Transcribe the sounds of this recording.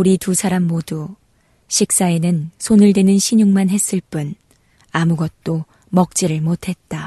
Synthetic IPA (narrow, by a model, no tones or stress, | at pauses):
uɾitusʰaɾamːodu | ɕʰik̚s͈aenɯnsʰonɯɭdwe̞nɯnɕʰiɲuŋmanɦe̞s͈ɯɭp͈un | amuɡʌt̚t͈o | mʌk̚t͡ɕ͈iɾɯɭmotʰe̞t̚t͈a